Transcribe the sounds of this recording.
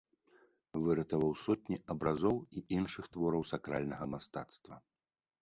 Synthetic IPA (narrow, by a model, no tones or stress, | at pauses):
vɨɾɐt̪ɐvɐwsɔt̪̚ʲnʲiʔɐbɾazɔwiʔinʂɨxt̪vɔɾɐwsakɾalʲnɐɣɐmast̪at̪st̪vɐ